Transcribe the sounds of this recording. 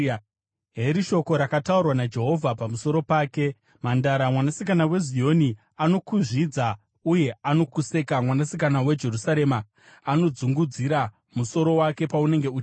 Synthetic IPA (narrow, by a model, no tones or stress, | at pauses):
ɦeɾiʃo̞ko̞ɾakataurwanad͡ʒe̞ɦo̞vʱapamuso̞ɾo̞paːke̞ | mandaɾamwanasikanawe̞zio̞ni | ano̞kuʐid͡za | uje̞ano̞kuse̞kamwanasikanawe̞d͡ʒe̞rusaɾe̞maː | no̞d͡zuŋɡud͡ziɾa | muso̞ɾo̞wake̞paune̞ŋɡe̞uːt͡ʃː